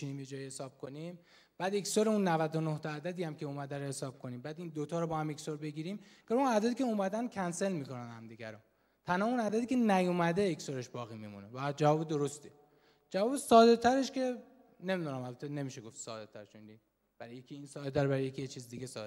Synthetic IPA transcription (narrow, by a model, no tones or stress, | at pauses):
iniːmjed͡ʒɒːjihesɒːb̚kʰonim | b̥æːd̪eksoɾeunːævæd̪onoht̪ʰɒæːd̪æd̪iːhæmcʰeumæd̪æɾohe̞sɒːb̥̚kʰoniːmbæːd̪ind̪ot̪ʰɒːɾɔbɒːhæmeksoɾbe̞ɡiːɾiːmɡ̥oɾunæd̪æd̪iːcʰeumæd̪æn̚cʰænse̞lmiːko̞nænhæmd̪iɡæ̰ɾɔ | t̪ʰænhɒːunæd̪æd̪iːcʰe̞næjomæd̪e̞eksoɾe̞ʃbɒːɣiːmḭmṵnevæd͡ʒævɒːbed̪o̞ɾo̞st̪i | d͡ʒævɒːbesɒːd̪et̪ʰæɾe̞ʃcʰe̞ | ne̞mid̪unæmælbæt̪ʰene̞miːʃeɡo̞ft̪sɒ̰ːd̪et̪ʰæɾet͡ʃoind̪i | b̥æɾjekʰʲiiːnsɒːd̪ed̪æɾbæɾejekʰijet͡ʃʰiːzid̪iɡesɒ̰e